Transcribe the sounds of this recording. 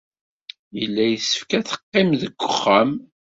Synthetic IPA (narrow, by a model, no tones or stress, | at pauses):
əlːæjəsə̥fkæθə̥qːɪmðəɡʷːəχːəm